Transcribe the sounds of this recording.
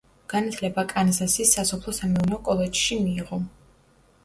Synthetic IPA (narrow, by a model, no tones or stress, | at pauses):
ɡ̥anat̪ʰlɛbakʼanzasisasɔpʰlˠɔsamɛunɛɔkʼɔlˠɛd͡ʒʃimiːʁɔ